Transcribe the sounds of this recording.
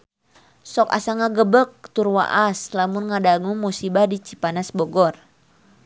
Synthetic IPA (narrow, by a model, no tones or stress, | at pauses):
sɔka̰saŋaɡəbək̚t̪urwa̰ʔaslamunŋadaŋuŋmusibahdit͡ʃipanasbɔɡɔr